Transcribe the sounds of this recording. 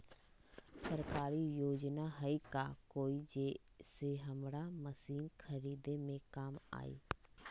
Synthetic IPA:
səɾkaːɾiːjoːd͡ʒnaːɦəiːkaːkoːiːd͡ʒeː | seːɦəmɽaːməsiːnkʰəɾiːd̪eːmẽːkaːma̰ːḭː

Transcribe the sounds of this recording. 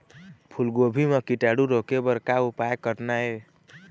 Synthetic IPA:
pʰulɡobʱimekiʈaɽuɾokebəɾkaupaekəʈnaɦe

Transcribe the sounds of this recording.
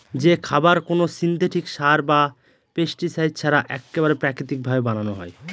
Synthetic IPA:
d͡ʑekʰabaɾkonosint̪eʈikʃaɾba | pesʈisajd̪̚t͡ɕʰaɾaʔɛ̰kːeβaɾepɾakɾit̪ik̚bʱabebananoɦɔe

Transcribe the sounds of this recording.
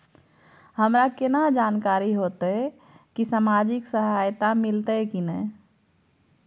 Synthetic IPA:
həmɾakenad͡ʒankaɾiɦot̪ə | kisamad͡ʒiksəɦajt̪amilt̪əkinə

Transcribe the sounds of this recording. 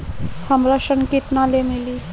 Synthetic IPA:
səmɾaʃənkit̪nalemili

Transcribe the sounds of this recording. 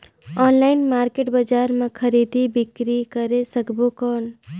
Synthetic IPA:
ɔːnlaɪnmaːɾkeʈbəd͡ʒaːɾmẽkʰəɾid̪ibɪkɾikəɾesəkbokɔn

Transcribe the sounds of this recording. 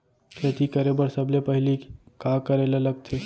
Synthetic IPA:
kʰət̪ikəɾebəɾsəblepəɦilikakəɾeleləɡ̚t̪ʰe

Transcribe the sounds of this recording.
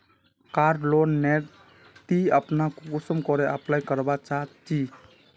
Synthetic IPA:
kaɾɖlonːeɾ | t̪iəpnakkusəmkɔɾeʔəplajkəɾbat͡ʃat͡ʃi

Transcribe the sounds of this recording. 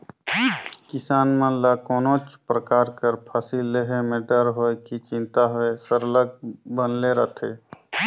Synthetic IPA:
kɪsaːnmãlakɔːnot͡ʃpɾəkaːɾkəɾpʰasilːeɦemẽɖəɾɦoekit͡ʃɪ̃nt̪aɦoesəɾləɡ̚bənleɾət̪ʰe

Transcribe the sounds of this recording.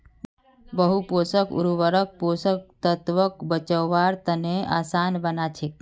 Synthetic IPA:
bəɦuposəkṵɾuʋəɾək̚posək̚t̪ət̪ʋəkbət͡ʃəʋaɾt̪əneʔasanbənat͡ʃʰek

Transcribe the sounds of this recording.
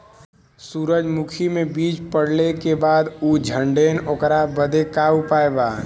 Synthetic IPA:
suːɾəd͡ʒmukʰimẽbiːt͡ʃpəɽlekebaːd̪uːd͡ʒʱə̃ɳɖeːnoːkɾabəd̪ʱekaupaːebaː

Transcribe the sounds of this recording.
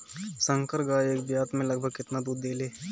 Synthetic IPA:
sə̃ŋkəɾɡaːeːkbjaːt̪mẽlɐɡ̚bʱəɡkɪt̪nad̪uːd̪ːeːleː

